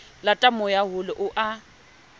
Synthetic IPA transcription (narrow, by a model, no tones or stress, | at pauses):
latʼamʊjaɦʊlɪʔʊʔa